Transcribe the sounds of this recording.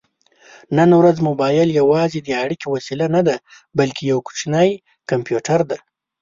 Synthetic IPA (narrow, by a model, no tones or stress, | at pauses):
nənwɾazmʊbɑjɪljawɑzed̪əaɽikewasilanad̪a | balkʰejawku̥t͡ʃnaj | kampjuʈaɾd̪a